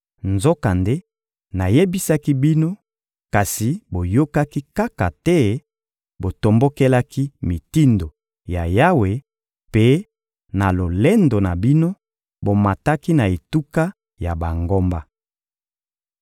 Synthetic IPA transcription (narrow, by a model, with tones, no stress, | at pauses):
nzo˦ka˨nde˦ | na˨je˦bi˦sa˦ki˦bi˦no˦ | ka˨si˨bo˨jo˦ka˦ki˦ka˦ka˨tɛ˦ | bo˨to˨mbo˦ke˦la˦ki˦mi˨ti˦ndo˨ | ja˨ja˦we˨ | pe˦ | na˨lo˨le˦ndo˨na˨bi˦no˦ | bo˨ma˨ta˦ki˦na˨e˨tu˦ka˦ | ja˨ba˨ŋɡo˦mba˦